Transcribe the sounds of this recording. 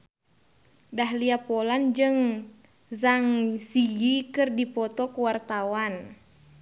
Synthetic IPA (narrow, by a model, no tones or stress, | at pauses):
dahliapɔland͡ʒɨŋ | zaŋsijikɨrdipɔt̪ɔkuwart̪awan